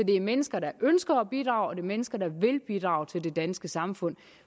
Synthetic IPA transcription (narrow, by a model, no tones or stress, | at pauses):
ɒd̥e̝æɐmenəsɡ̥ɐɾɑ̈ʔønsɡ̥ɐːb̥id̥ʁɑ̈ʊɒ̽d̥e̝ɐmenəsɡ̥ɐd̥ɑ̈ʋe̝lb̥id̥ʁɑ̈ʊt͡sʰe̝lde̝d̥ænsɡ̥əsɑ̈mfɔ̽n̰